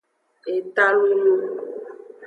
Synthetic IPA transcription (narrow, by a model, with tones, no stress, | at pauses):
e˨t̪a˦lu˦lu˦